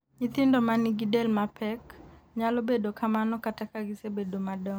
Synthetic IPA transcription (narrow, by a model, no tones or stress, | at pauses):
ɲit̪ɪndɔmaniɡidɛlmapʰɛkɲalobedokʰamanɔkatakaɡisebedomadɔ